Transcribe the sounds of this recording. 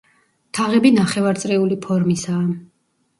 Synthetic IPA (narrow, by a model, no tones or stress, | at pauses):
t̪ʰaʁɛbinaχɛvaɾt̪sʼɾɛulipʰɔɾmisaː